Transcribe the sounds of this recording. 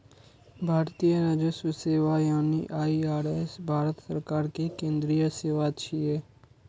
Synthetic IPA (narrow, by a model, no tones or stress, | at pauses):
bʱaːɾt̪ijəɾaːd͡ʒəsuseːʋajaːnḭʔaːiaːɾɛsbʱaːɾət̪səɾkaːɾkekẽːnd̪ɾijəseːʋat͡ʃʰiɛː